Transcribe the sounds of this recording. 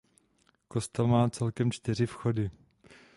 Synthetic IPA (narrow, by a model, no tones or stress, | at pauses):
ko̞st̪ɛlmaːt͡sɛlkɛmt͡ʃt̪ɪr̝ɪfxo̞dɪ